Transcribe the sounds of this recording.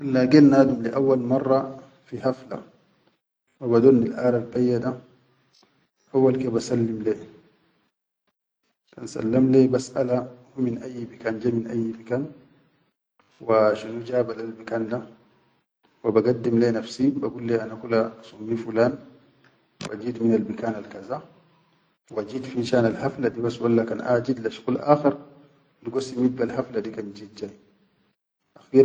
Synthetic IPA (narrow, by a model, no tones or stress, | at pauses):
ʔalːaɡenːaːd̪umliʔawːalmɑrˤːɑ | fihafla̰ | wabad̪onːilʔaːɾalkajːada | ʔawːalkebasalːimleː | t̪ansa̰lːamlebasʔalahuminʔajːbikaːnd͡ʒeminʔajːmakaːn | waʃunud͡ʒaːbalalmakaːnda | wabaɡad̪ːimlenafsibaɡuːlːeʔanakulːasumːifulaːn | wʔa̰d͡ʒiːd̪minalbikaːnalkaza | wad͡ʒiːd̪finʃaːnalhaflad̪ibasːwalːakanʔa̰ːd͡ʒid̪laʃɣulʔaːxeɾ | lɡosːimid̪̚balhaflad̪ikand͡ʒiːd̪̚d͡ʒaːj | ʔaxiɾ